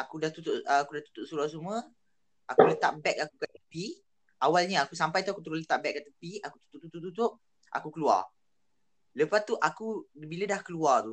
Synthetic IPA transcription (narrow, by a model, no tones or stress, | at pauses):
akudaht̪ut̪ʊʔkudaht̪u̥t̪ʊʔsuɾasumə | akulət̪aʔbɛk̚akukaʔt̪ːəpi | ʔawalɲəakusampajt̪uakut̪əɾʊlət̪aʔ̚bɛk̚ːat̪əpiaku̥t̪u̥t̪ʊʔ̚t̪uʔ̚t̪uʔ̚t̪ut̪̬ʊʔ̚ | ʔa̰kukəlua̰r | ləpast̪uʔakubilədahkəluart̪u